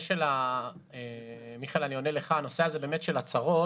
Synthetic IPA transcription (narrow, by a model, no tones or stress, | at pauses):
ʃela | emiχelanio̞neleχaano̞seazebeːme̞tʃelat͡saʁo̞